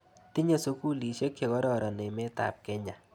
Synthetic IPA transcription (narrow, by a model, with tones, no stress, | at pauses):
t̪i˦ɲe˦so˦ku˦li˨ʃe˦kːe˨kɔ˦ɾɔ˦ɾɔ˨ne˨me˦t̪a̰˨p̚kɛ˦ɲa˨